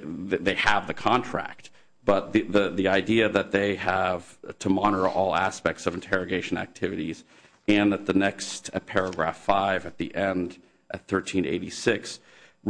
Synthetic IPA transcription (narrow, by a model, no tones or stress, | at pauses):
ððeɪəvðɨkʰɑ̃ntʰɹ̥æ̰k̚t̚ | b̥ʌt̪̚ðɨðɨðiaɪdiɨðɨt̪̚ðeɪəv̥tʰəmɑñə˞ʔɔlˠæ̰spɛk̚tsʌṽn̩tʰɛɹɨɡeɪʃɨ̃næ̰k̚tʰɪvɨɾiz̥ | ɨ̃nðət̪̚ðɨnɛkstɨpʰɛɹɨɡɹæ̰faɪvɨt̪̚ðiʔɛ̃nd | ʔɨt̪̚θɜ˞tʰĩnḛɪɾḭsɪks